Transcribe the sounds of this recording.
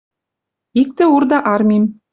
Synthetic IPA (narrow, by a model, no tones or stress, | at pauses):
ik̚t̪ɘ̆urd̪ɑʔɑrmʲim